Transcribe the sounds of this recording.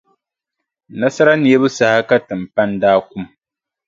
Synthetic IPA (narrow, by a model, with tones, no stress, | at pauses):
na˦sa˦ɾa˦ni˨ɛ˦bɨ˦sa˨ha˦ka˦tɨ˨m̩˨pa˦ndaː˦ku˦m